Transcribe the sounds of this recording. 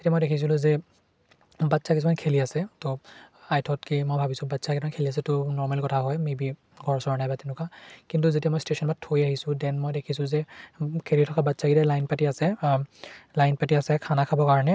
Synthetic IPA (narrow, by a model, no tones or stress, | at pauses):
etiamɔjdekʰis̬ilʊ̃zɛ | batːsakis̬ʰumankʰeliasɛtɔajtʰɔtkimojbʱabisʊ̃batsakisʰumankʰelias̬ɛtʊnɔɹmalkɔtʰaɦɔjmebi | ɡʱɔɹsɔɹnajbatinʊkakintuzetiamɔjstesɔnbatʰojaɦisʊ̃dɛnmɔjdekʰisʊ̃zɛkʰelitʰɔkabatsaɡidɛlajnpatiasɛ | lajnpatiasɛkʰanakʰabɔkaɹɔnɛ